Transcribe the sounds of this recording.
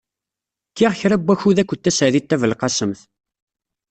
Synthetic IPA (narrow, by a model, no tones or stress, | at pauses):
kːiʁçɾæbːæçuðækʷːət̪ːæsʕəðit̪ːævəlqɑsəmθ